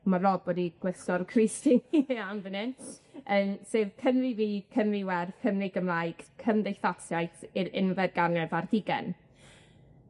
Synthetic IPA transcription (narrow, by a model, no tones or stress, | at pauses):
malɔbɔdiɡ̥wɪsɔrkʰrɪstɪnanvənɪnəːmseːðkʰənliviːkʰənriwɛrfʰəmliɡəmlˠaɨɡ̥kʰəmdɪjθasjajθiɾɪnvɛd̚ɡanɛvardɪɡɛ̰n